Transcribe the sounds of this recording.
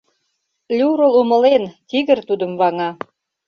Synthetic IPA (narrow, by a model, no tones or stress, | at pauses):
lʲuɾəlumə̆lent̪iɣərt̪ud̪ə̆mβɑŋɑ